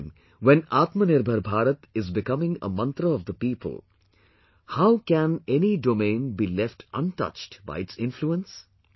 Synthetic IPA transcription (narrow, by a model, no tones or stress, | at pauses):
m | ʋɛ̃naːt̪mənɪɾbʱəɾbʱaːɾət̪ɪzbɪkʌmɪ̃ŋə̰mʌ̃nt̪ɾəɔʋd̪əpiːpə̰lˠ | haʊkæ̃neniɖoːmẽːnbiːlɛfʈʰʌ̰̃nʈʌ̰t͡ʃʈba̰ɪɪʈsɪ̃nfluə̃ns